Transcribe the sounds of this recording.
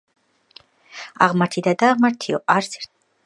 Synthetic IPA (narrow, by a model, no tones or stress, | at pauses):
a̰ʁmaɾt̪ʰid̪ad̪aːʁmaɾt̪ʰiɔaɾsɛɾ